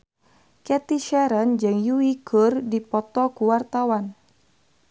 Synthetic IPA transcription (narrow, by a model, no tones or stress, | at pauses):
kɛt̪iʃɛɾənd͡ʒɨŋjuikʰurdipɔt̪ɔkuwart̪awan